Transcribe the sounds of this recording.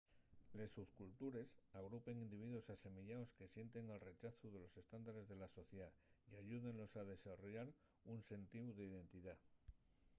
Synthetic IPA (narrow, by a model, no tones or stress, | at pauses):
le̞suθkult̪uɾe̞saɣ̞ɾupe̞ŋind̪iβ̞iðwo̞sase̞miʝaoske̞sje̞nt̪e̞ŋalre̞t͡ʃaθuð̞e̞lo̞se̞st̪and̪aɾe̞zðe̞laso̞θjeðaiaʝuðe̞nlo̞saðe̞saro̞ʝaɾ | unse̞nt̪iwðe̞iðe̞nt̪iða